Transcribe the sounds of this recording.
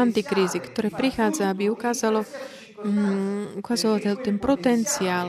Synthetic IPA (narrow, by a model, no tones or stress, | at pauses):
ant̪ikɾiːzikt̪ɔɾɛːpɾixaːd͡zaabiukaːzalɔ | ukazɔlat̪ɛlt̪ɛnpɾɔt̪ɛnt͡siaːl